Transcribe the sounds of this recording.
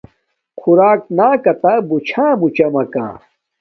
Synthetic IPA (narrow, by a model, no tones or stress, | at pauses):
xʰuɾaːk̚naːkɐt̪abut͡ɕʰãːmut͡ɕɐmɐkã̰ː